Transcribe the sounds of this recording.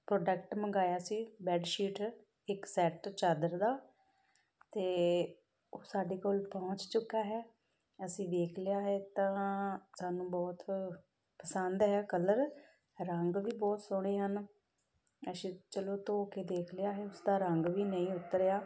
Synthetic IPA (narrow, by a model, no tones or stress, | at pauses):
pɾoːɖəkʈməŋɡaːjaːsiːbɛːɖʃiːʈ | ɪksɛːʈt͡ʃaːd̪əɾd̪aː | t̪eː | oːsaːɖiːkoːlpɔ̃ɦʊ̃t͡ʃt͡ʃʊkːaːɦɛː | əsĩːʋ̪eːkʰlɪjaːɦɛːt̪ãːsaːnũːbɔːt̪ | pəsənd̪ɦɛːkələɾ | ɾəŋɡʋiːbɔːt̪sʊɽ̃eːɦən | əsĩːt͡ʃəloːt̪oːkeːd̪eːkʰlɪjaːɦɛːʊsd̪aːɾəŋɡʋiːnəĩːʊt̪ːəɾjaː